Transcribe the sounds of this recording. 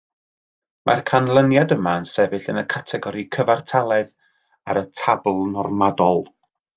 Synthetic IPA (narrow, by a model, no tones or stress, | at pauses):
mʔa̰rkʰanlˠənjadəmaənsɛvɨɬənəkʰatʰɛɡɔɾikʰəvartʰalˠɛð | a̰ɾətʰablˠnɔrmadɔlˠ